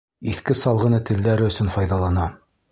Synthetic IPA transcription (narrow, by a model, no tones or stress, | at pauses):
iθkɘsɑlˠʁɤ̆nɤt̪ɘ̆ld̪æɾɘɵ̆sɵnfɑjðɑlˠɑnɑ